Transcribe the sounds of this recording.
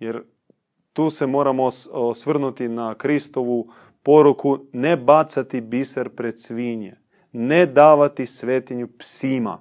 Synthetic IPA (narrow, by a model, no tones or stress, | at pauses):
jeɾ | t̪uːse̞mo̞ːɾamoosʋr̩nut̪inakɾist̪o̞ʋu | poɾukune̞bat̪sat̪ibisaɾpɾe̞d̪sʋiɲe | ned̪aːʋat̪isʋeːt̪iɲupsima̰